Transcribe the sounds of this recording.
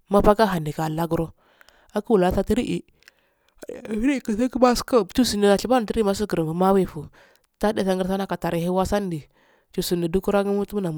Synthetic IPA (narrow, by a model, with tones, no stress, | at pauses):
ma˦pa˦ka˦ɦa˨ni˨ka˨la˦ɡu˦ɾo˦ | a˦ku˦wu˨la˨˦ta˦ti˦ɾi˦ʔi˨ | i˦ɾi˦˨kə˨sa˦ki˦ba˦ska˦˨t͡ʃu˦si˨ni˨na˨ɬi˨ba˦n˨ti˦ɾi˦ma˦s̬i˦ɡə˨ɾə˨u˨ma˦wi˦˨fu˨ | ta˦de˨sa˦ŋɡə˦ɾsa˦na˦ka˨ta˨ɾi˨ɦi˦wa˦sa˦n˦di˨ | t͡ʃu˨si˨ndi˨du˦ku˦ɾa˦ɡi˦mu˦tu˦m˦na˨